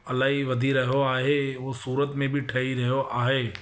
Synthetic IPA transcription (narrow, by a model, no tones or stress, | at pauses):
ɐlaːɦiʋɐd̪ʱiɾɐɦoaːɦeːʋosuːɾət̪mẽbʱiʈʰɐiɾɐɦjoʔaːɦeː